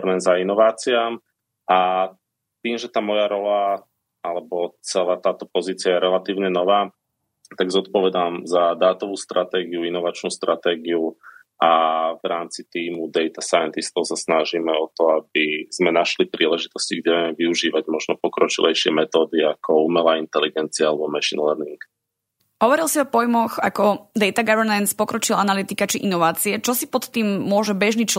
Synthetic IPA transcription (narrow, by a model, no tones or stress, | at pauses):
ɾmɛnzainɔʋaːt͡siam | ʔa | t̪iːmʒɛt̪aːmɔjaɾɔla | alɛbɔt͡sɛlaːt̪aːt̪ɔpɔziːt͡sɪajɛɾɛlat̪iːʊɲɛnɔʋaː | t̪aɡzɔt̪pɔʋɛd̪aːmzad̪aːt̪ɔʋuːst̪ɾʔat̪ɛːɡiuinɔʋat͡ʃnuːst̪ɾat̪ɛːɡiu | ʔavɾaːmt͡sit̪iːmud̪ɛjt̪asajɛnt̪ist̪ɔʊsasnaʒiːmɛɔt̪ɔabiz̥mɛnaʃlipɾiːlɛʒit̪ɔsciɡɟɛʋɛmɛʋiuʒiːʋaɟmɔʒnɔpɔkɾɔt͡ʃḭlʔɛjʃɪɛmɛt̪ɔːd̪iakʰɔumɛlaːint̪ɛliɡɛnt͡siaalɛbɔmaʃinlɛɾniŋk | ɦɔʋɔɾilsiɔpɔjmɔxakɔd̪ɛjt̪aɡaʋɛɾnɛnspɔkɾɔt͡ʃilanalit̪ikat͡ʃiʔinɔʋaːt͡siɛt͡ʃɔsipɔt̪ːiːmːʊɔʒɛbɛʒnit͡ʃ